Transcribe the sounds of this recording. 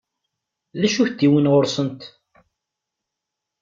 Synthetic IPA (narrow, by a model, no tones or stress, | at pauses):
ðæʃuθd̪ːiwənʁʊɾsənt̪